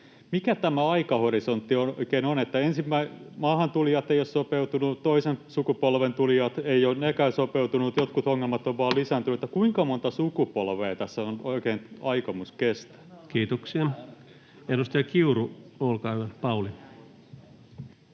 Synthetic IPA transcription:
mikæt̪æmæɑikɑhoɾisont̪ːiooikeːnonet̪ːæensimːæimɑːhɑnt̪uljɑt̪eijossopeut̪unut̪oisensukupolʋent̪uljɑt̪eionnekæːsopeut̪unut̪jot̪kut̪oŋːelmɑt̪oʋʋɑːlisænt̪yet̪ːækuiŋkɑmont̪ɑsukupolʋeːt̪æsːæonoikeːnɑikɑmuskest̪æ̥kiːt̪oksiɑ | edust̪ɑɑkiuruolkɑæpɑuli

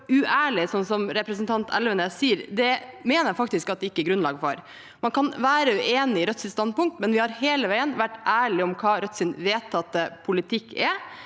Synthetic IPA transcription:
ʉʔæːɭɪsɔnsɔmɾɛpɾəsnt̪ʰɑnt̪ʰɛ̰lʋənəsiːəɾd̪ɛmeːnəɾæfɑkt̪ɪskɑt̪̚d̪ɛɪkːəɛɡɾʉnlɑ̰ːɡfɔ̰ɾ | mɑnkʰɑnʋæːɾəʉʔeːnɪɪɾœt̪sɪst̪ɑnd̪̚pʊŋk̚t̪mɛnʋɪhɑɾheːləʋæɪənʋæʈːʔæːɭɪɔmkʰɑːɾœt̪sɪnʋeːt̪ʰːɑt̪ːəpʰʊlɪt̪ʰɪkʰːɛ

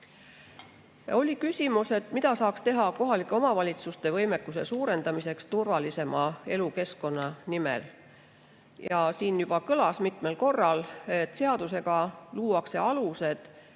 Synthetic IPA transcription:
o̞lʲikysʲimuse̞t̪ːˑmid̪̥ɑsɑːkst̪e̞ɦɑko̞ɦɑlikːˑeo̞mɑvɑlʲit̪sust̪e̞vɤjmekːˑuse̞̰suːɾe̞nd̪ɑmise̞kst̪urvɑlise̞mɑe̞luke̞sko̞nːɑnimḛl | jɑsiːnjub̥ɑkɤlɑsmit̪ˑme̞lko̞rːɑlet̪ːˑse̞ɑd̪̥use̞ɡ̥ɑluːwɑkse̞ɑluse̞d̪̥

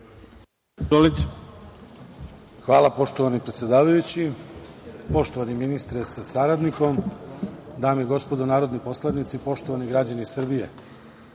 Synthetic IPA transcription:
olit | xʋaːlˠapo̞ʃt̪o̞ʋanipɾet̪sʲed̪aːʋajut͡ɕi | po̞ʃt̪o̞ʋaniminist̪ɾesasaɾad̪niko̞m | d̪aːmiɡo̞spo̞d̪onaːɾo̞d̪nipo̞slˠad̪nit̪sipo̞ʃt̪oʋaniɡɾad͡ʑanisr̩bije̞̰

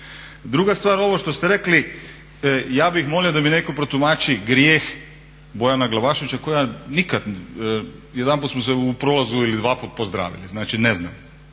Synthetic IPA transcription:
d̪ɾuɡast̪ʋaːɾo̞ʋo̞ʃt̪o̞st̪eɾekli | jaːbixmo̞liod̪aminekopɾot̪umaːt͡ʃiɡɾjeːx | bo̞janaɡlˠabaːʃoʋit͡ɕakojanikad̪ | jed̪anpuːt̪smoseupɾolˠazuilid̪ʋaːput̪̚pozd̪ɾa̰ːʋḭliznaːt͡ʃinezna̰m

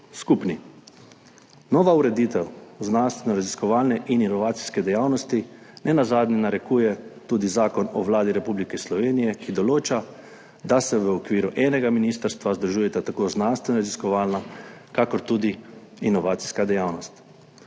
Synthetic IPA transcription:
skupni | nɔːʋauɾɛd̪iːt̪ɛwznanst̪ʋɛnɔɾaziskɔʋaːlnɛʔininɔʋaːt̪si̥skɛd̪ɛjawnɔst̪inɛnazaːd̪nɛnaɾɛkuːjɛt̪uːd̪izaːkɔnɔʋlaːd̪iɾɛpublikɛslɔʋeːnijɛkid̪ɔloːt͡ʃa | d̪asɛʋəɔkʋiːɾuʔɛːnɛɡaminiːst̪əɾst̪ʋazd̪ɾuʒuːjɛt̪at̪akoːznanst̪ʋɛnɔɾaziskɔʋaːlnakakɔɾt̪uːd̪iː | nɔʋaːt̪si̥skad̪ɛjaːwnɔst̪

